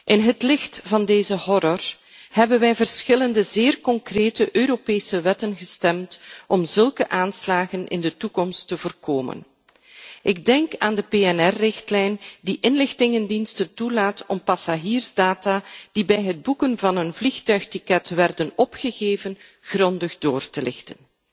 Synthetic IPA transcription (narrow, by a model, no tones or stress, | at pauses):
ʔɪnɦətlɪxtv̥ɑndeːzəhɔɾɔr | hɛbənʋɛjvərsxɪləndəzɪːrkɔŋkreːtəʔøːɾopeːsəʋɛtənɣəstɛmtʔɔmzɵlˠkəʔaːnslaːɣənɪ̰ndətukɔmstːəvoːrkoːmə̰n | ʔɪɡ̚dɛŋkaːndəpeːɛnɛrːɪxtlɛjndiʔɪnlɪxtɪŋəndinstəntulaːtɔmpɑsaʒiːrzdaːtaːd̥ibɛjɦəd̚bukənvɑnənvlixtœɥxtikɛtʋɛrdənɔpxəɣeːvən | ɣrɔndəɣdoːrtəlɪ̰xtən